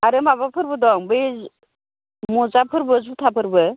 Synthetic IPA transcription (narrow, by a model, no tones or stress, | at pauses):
aɾɯmaβapʰɯɾbɯd̪ɔŋbez | muzapʰɯɾbɯzut̪ʰapʰɯɾbɯ